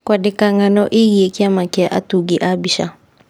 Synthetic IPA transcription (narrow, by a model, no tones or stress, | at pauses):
kwadɪkaŋanɔʔɪɣiekɪamakɪaʔatuɡiʔabiʃa̰